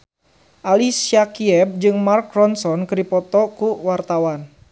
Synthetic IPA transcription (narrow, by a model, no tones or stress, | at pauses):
ʔalisiakiɛb̚d͡ʒɨŋmarkrɔnsɔnkɨdipɔt̪ɔkuwart̪awan